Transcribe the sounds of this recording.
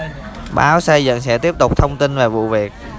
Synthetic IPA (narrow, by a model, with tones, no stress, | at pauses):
ɓa̰ː˨˦wsa˧jzə̰˧˨ŋsɛ̰˧˥t̪i˦˥əp̚t̪ʊ˨˩k͡p̚t̪ʰə˧wŋ͡mt̪i˧nve˨˩vṵ˧˨vi˨˩ək̚